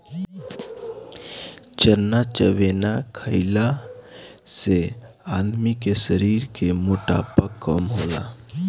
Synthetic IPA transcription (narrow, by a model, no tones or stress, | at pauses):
t͡ʃəɾnat͡ʃəʋenakʰəɪla | se | ad̪mikesəɾiːɾkemuʈa̰ːpəkːəmɦoːla̰